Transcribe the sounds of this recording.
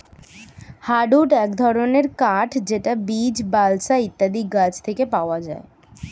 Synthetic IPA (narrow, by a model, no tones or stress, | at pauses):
haɖuʈɛkd̪ʱɔɾoneɾkaʈʰd͡ʑeʈabid͡ʑbalsait̪ːad̪iɡad͡ʑt̪ʰekepaoad͡ʑae